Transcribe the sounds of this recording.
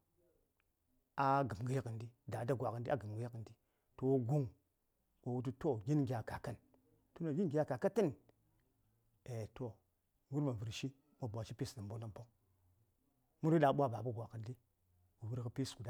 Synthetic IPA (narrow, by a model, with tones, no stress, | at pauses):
a˦ɡə˨m˨ɡi˦ji˦kə˨ndi˦da˨da˦ɡʷa˨kə˨ndi˦a˦ɡə˨mɡə˦jkə˨ndi˦ | to˨wu˦ɡu˦ŋ | o˨wu˦t̬u˦to˦˨ɡʲi˦nɡʲa˨ka˨ka˦n | to˦na˨ɡi˦n˦ɡʲi˨ja˨ka˨ka˦ta˦n | e˨to˨˦ | wu˦ɾma˨vu˨ɾʃi˦ | ma˦bʷa˨ʃi˦pi˦sna˨mbo˦na˦m˨bo˦ŋ | mu˦ɾi˦ɗa˨ɓʷa˦ba˨bu˦ɡʷa˨kə˨ndi˦ | wu˨vu˦ɾkə˨pi˦sku˨da˦